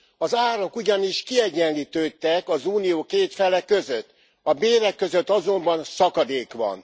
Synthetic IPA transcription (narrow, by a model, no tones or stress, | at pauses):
ɒzaːɾo̞kuɟɒniʃkiɛɟːɛnliːt̪øːt̪ːɛkɒzuːnijoːkeːt̪fɛlɛkːø̞zøt̪ː | ɒbeːɾɛkːøzø̞t̪ːɒzo̞mbɒnsɒkɒd̪eːkʋɒ̰n